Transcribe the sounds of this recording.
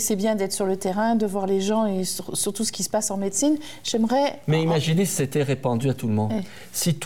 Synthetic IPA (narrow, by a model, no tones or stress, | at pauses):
sɛbjɛ̃d̪ɛt̪χsyʁlət̪eʁɛ̃d̪əvwaʁleʒɑ̃esysyʁt̪usə̥kʲisə̥pasɑ̃met̪sin | ʒ̥ɛmʁɛmɛimaʒinesi̥set̪ɛʁepɑ̃d̪yat̪ulmɔ̃d̪ | sit̪